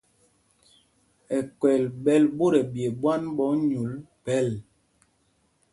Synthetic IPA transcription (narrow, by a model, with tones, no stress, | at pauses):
ɛ˨kwɛ˨lbɛ˦lbo˦ɾɛ˨bje˨bwa˦nbɔ˨˦ɲu˨˦l | pɛ˦l